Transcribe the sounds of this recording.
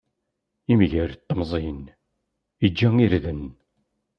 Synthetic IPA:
imʝəɾt̪ˤːəmzˤin | id͡ʒːæŋiɾðən

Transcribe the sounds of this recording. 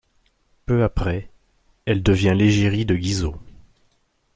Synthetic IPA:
pøapχɛ | ɛld̪əvjɛ̃leʒeʁid̪əɡʲizo

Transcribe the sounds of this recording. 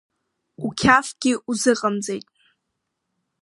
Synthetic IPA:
ukʲʰafɡ̥ʲɪʔuzɨqʼamd͡zejtʼ

